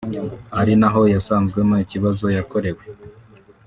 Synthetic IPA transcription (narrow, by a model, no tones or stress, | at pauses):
aɾinaɦo̞jasaːnzɡwemojiciβazo̞jako̞ɾe̞we